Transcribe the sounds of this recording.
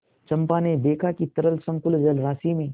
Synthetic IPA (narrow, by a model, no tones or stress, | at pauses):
t͡ʃɐ̃mpaned̪eːkʰakit̪ɐɾəlsɐ̃ŋkʊld͡ʒɐlɾaːsimẽ